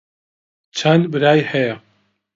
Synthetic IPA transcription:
t͡ʃʰɐnd̪bɨɾaːjhɛjɐ

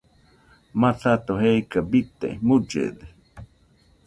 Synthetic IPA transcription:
matat̪oɦejkabit̪ḛmud͡ʒḛd̪e

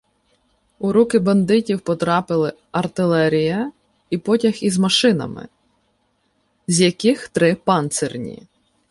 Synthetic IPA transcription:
ʊɾukɪbɐnd̪ɪtʲiwpɔt̪ɾɑpɪlˠɪ | ɐrt̪ɪlˠɛɾʲijɐ | ipɔtʲɐxizmɐʃɪnɐ̰mɪ̰ | zʲjɐkɪxt̪ɾɪpɑnt̪sɛrnʲḭ

